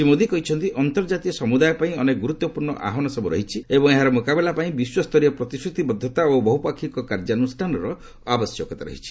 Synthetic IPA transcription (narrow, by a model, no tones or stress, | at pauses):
simod̪ikɔɦit͡ʃʰɔnt̪iʔɔnt̪ɔɾd͡ʒat̪iɔsɔmud̪ajɔpaĩɔneɡuɾut̪ːɔpuɾɳɔ̰ʔa̰ɦɔnɔsɔbuɾɔ̰ɦit͡ʃʰiebɔŋeɦaɾɔmukabelapaĩbiswɔst̪ʰɔɾijɔpɾɔt̪isɾut̪ibɔd̪ʱːɔt̪aobɔɦupakʰikɔkaɾd͡ʒanusʈʰanɔɾɔ | abɔsjɔkɔt̪aɾɔ̰ɦit͡ʃʰi̥